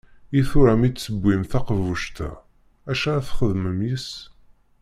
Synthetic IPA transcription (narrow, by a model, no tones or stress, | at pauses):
iθʊɾæmit͡sːəbʷːimθæqəvuʃt̪æ̰ | æʃææθχəðməmjəs